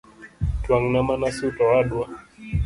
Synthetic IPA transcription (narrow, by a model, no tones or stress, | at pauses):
twaŋnamanasiutɔwaɗwa